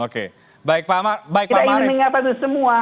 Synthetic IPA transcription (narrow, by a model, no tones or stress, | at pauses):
okḛ | baik̚pamabaik̚it̪aianəŋapad̪əsəmua